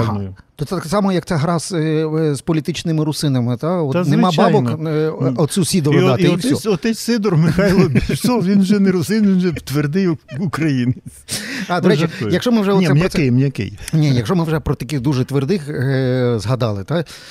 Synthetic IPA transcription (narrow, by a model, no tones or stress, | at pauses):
t̪ɔt̪sɛt̪ksɑmɔjɐkt̪sɛɦɾɑszpɔlʲit̪ɪt͡ʃnɪmɪɾʊsɪnɐmɪt̪aɔt̪nemɑbɑjbɔnkɔt͡sʲusʲid̪ɔɑt̪ɪuɔt̪ɛt͡sʲsɪd̪ɔrmɪxɑjlˠɔsɔʋʲinʒɛnɛɾʊsɪnʋʲinʒɛt̪ʋerd̪ɪjukɾɐjinɪ | ɑd̪ɐɾɛt͡ʃɛjɐkʃɔmɪwʒɛɔnʲiɛmnʲɐɔɪjmnʲɐkɪ̰jnʲijɐkʃɔmɪwʒɛpɾɔt̪ɐkɪɣd̪uʒɛt̪ʋerd̪ɪx | zɦɐd̪ɑlˠɪt̪a